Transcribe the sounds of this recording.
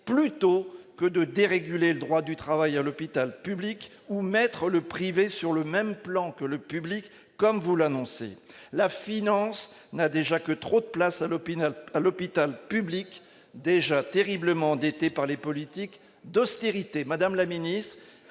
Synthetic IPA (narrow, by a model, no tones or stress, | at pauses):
plyt̪okəd̪əd̪eʁeɡyleləd̪ʁwad̪yt̪χavajalɔpit̪alpyblik | umɛt̪χələpχivesyʁləmɛmplɑ̃kələpyblikː | ɔmvulanɔ̃sḛlafinɑ̃s | nad̪eʒakət̪χod̪əplasalalɔpit̪alpyblik | d̪eʒat̪eʁibləmɑ̃d̪et̪epaʁlepɔlit̪ik | d̪ɔst̪eʁit̪emad̪amlaminist̪χ